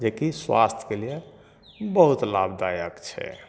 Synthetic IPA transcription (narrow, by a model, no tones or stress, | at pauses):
d͡ʒekiswa̰st̪ʰkelije | bəɦut̪labd̪ajəkt͡ʃʰɛ̰